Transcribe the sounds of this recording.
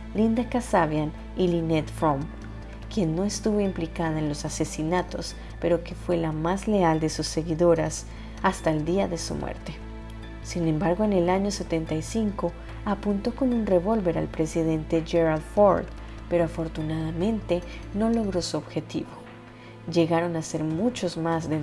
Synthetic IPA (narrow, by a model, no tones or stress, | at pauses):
lind̪akasaβjan | ilinet̪fɾom | kje̞nːo̞e̞st̪uβo̞implikaðaenlo̞sase̞sinat̪o̞̰s | pe̞ɾo̞ke̞fwe̞lamazle̞ald̪e̞susːe̞ɣiðo̞ɾas | ast̪aeld̪iaðe̞sṵmwḛɾt̪e̞̥ | sinẽ̞mbaɾɣo̞ene̞laɲo̞se̞t̪e̞nt̪ajsiŋko̞ | apunt̪o̞ko̞nunre̞βo̞lβe̞ɾa̰lpɾe̞siðe̞nt̪e̞ʝe̞ɾaðfo̰ɾd̪ | pe̞ɾoafo̞ɾt̪unaðamẽ̞nt̪e̞no̞lo̞ɣɾo̞suobxe̞t̪ḭβo̞ | ʝe̞ɣaɾo̞nase̞ɾmut͡ʃo̞zmazden